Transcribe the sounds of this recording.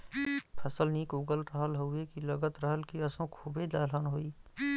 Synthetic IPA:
pʰəsəlniːkʊɡəlɾəɦəlɦoekiləɡət̪ɾəɦəlkiəsõkʰuːbed̪aːlənɦoːiː

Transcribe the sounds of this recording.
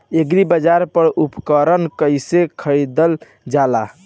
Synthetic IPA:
eɡɾibəd͡ʒaɾpəɾupkəɾənkəjsekʰəɾid̪əl | d͡ʒala

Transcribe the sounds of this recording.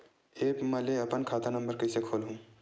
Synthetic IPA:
eːpmɐleɐpənkʰaːt̪anɐ̃mbəɾkɐɪsekʰoːlɦũː

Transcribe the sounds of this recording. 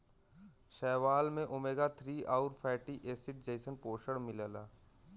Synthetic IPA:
ʃɛːʋaːlmẽʔomeːɡat̪ʰɾiːaʊɾpʰɛːʈiʔeːsɪʈ̚d͡ʒeːsənpoːʃəɽmɪlaːlaː

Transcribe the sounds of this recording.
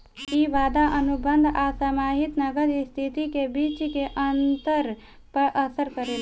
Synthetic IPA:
iʋaːd̪aʔənʊbə̃nd̪ʱasamaːɦɪt̪nəɡəɾst̪ʰit̪ikebiːt͡ʃkeʔənt̪əɾ | pəɾʔəsəɾkəɾeːl

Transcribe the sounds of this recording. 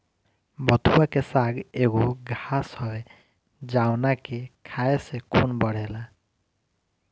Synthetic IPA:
bɔt̪ʰuwakesaɡeɡoɡʱasɔwe | d͡ʒawnakekʰajesekʰunbɔɽ̤ɛla

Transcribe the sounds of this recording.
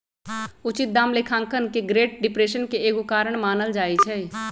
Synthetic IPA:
ʊt͡ʃɪt̪̚d̪aːmlekʰãːŋkənkeɡɾeːʈ̚ɖɪpɾeːʃənkeeːɡukaːɾəɽ̃maːnəld͡ʒaːit͡ʃʰɛ

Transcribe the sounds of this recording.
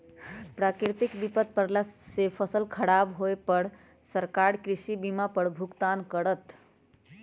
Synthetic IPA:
pɾakiɾt̪ikbipət̪̚pəɾlasepʰəsəlkʰəɽabɦoepəɽ | səɾkaɾkɾisibimapəɽbʱukt̪ankəɽət̪

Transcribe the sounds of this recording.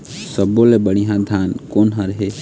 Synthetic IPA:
səbolebəɽ̃ijãd̪ʱaːnkoːnɦaɾəɦe

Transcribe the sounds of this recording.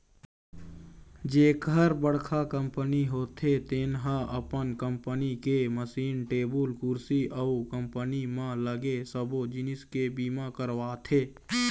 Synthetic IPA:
d͡ʒeːkəɾbəɽkʰakəmpəniɦoːt̪ʰet̪enɦãəpənkəmpənikeməsiːnʈeːbəlkʊɾsiʔəukəmpənimãləɡesəbod͡ʒɪnɪskebiːmãkəɾʋaːt̪ʰeː

